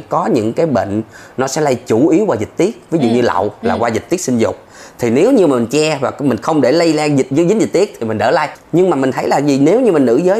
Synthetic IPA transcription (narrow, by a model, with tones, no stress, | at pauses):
kɔ˨˦ɲɨ̰˧˥ŋkaː˨˦jɓḛ˧˨ŋ̟ | nɔ˨˦sɛ̰˧˥lə˧jt͡ɕu˧˩ʔi˨˦əwkwaː˧˩zi̟˨˩t̪i˦˥ək̚vi˨˦zṵ˧˨ɲɨ˧la̰˧˨wlaː˨˩kwaː˧zi˨˩t̚t̪i˦˥ət̚si˧n̟zʊ̰˨˩k͡p̚ | t̪ʰi˨˩ne˨˦wɲɨ˧ma˨˩i˨˩nt͡ɕɛ˧vaː˨˩mï˨˩ŋ̟xə˧wŋ͡mɗe˧˩lə˧jlaː˧ŋzi˨˩t̚zzɨ˨˦˥zi˨˩t̚t̪i˦˥ək̚t̪ʰi˨˩mi̟˨˩ɗəː˧˩laː˧˨jɲɨ˧ŋmaː˨˩mï˨˩ŋ̟t̪ʰə˨˦jlaː˨˩zi˨˩ne˨˦wɲɨ˧mi˨˩nɨ̰˧˩zəː˨˦